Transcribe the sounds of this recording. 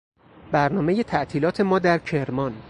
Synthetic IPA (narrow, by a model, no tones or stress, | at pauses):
bæɾnɒːme̞je̞t̪ʰæʔt̪ʰiːlɒːt̪ʰe̞mɒːd̪æɾcʰe̞ɾmɒn